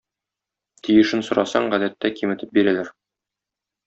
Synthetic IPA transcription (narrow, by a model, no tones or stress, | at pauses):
t̪ʰijɘ̆ʃɘnsŏɾɑsɑɴʁæd̪æt̪ːækimɘ̆t̪ɘp̚biɾælæɾ